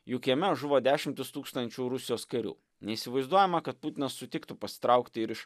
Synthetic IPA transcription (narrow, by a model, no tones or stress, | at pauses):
juːkʲiɛmʲɛʒʊʋoːd̪ʲæːʃʲɪmʲt̪ʲɪst̪uːkst̪ɐnʲt͡ʃʲuːɾʊsʲɪjoːskɐɾʲṵː | nʲɛiːˑsʲɪʋɐɪzd̪uɔjɛmɐkɐt̪̚pʊt̪ʲɪnɐsːʊt̪ʲɪkt̪ʊpɐsʲɪ̥t̪ɾʔɐˑʊkt̪ʲɪɪɾɪʃ